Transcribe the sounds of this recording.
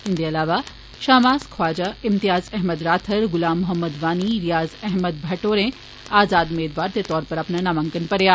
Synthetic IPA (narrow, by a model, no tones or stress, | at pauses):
ɪnd̪eɐlaːʋa | ʃaːmaːzkʰwaːd͡ʒaɪmt̪ɪjaːzɛɦməd̪ɾaːt̪ʰəɾɡʊlaːmːʊɦəmːəd̪ʋaːniɾijaːzɛɦməd̪bʱɐʈoːɾẽ | aːzaːd̪ʊmeːd̪ʋaːɾt̪et̪ɔːɾpɐɾɐpnanamɐ̃ŋkənpɐɾjaː